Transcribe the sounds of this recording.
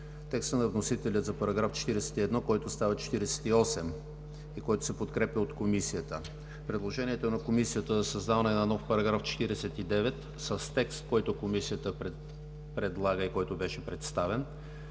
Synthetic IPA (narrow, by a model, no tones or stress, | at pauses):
t̪ɛkst̪ənɐvnosit̪ɛlʲət̪zɐpɐɾɐɡɾaft͡ʃɛ̥t̪iɾɛsɛ̥t̪iɛd̪nɔkɔjt̪ost̪avɐt͡ʃɛ̥t̪iɾɛsɛ̥t̪iɔsɛm | ikɔjt̪ʊ̥sɛpot̪kɾɛpʲəot̪komisijət̪ə | pɾɛd̪lˠoʒɛniɛt̪onɐkomisijət̪əzɐsɐzd̪avənɛnɐnɔfpɐɾɐɡɾaft͡ʃɛ̥t̪iɾɛsɛt̪id̪ɛvɛt̪ | səst̪ɛkst̪kɔjt̪ʊkomisiət̪əpɾɛ | pɾɛd̪lˠaɡəikɔjt̪obɛʃɛpɾɛt̪st̪avɛn